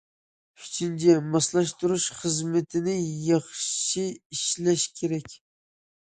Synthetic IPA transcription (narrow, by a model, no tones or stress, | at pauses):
yt͡ʃʰint͡ʃʰɛmɑslˠɑʃt̪uɾuʃχəzmɪt̪ʰɪnɪjɑχʃiiʃlɛʃkʲʰeɾɛkʲ